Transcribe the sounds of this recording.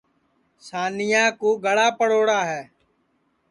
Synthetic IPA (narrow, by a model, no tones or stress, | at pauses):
saːnɪjãːkuːɡəɽaːpəɽoːɽaːɦɛː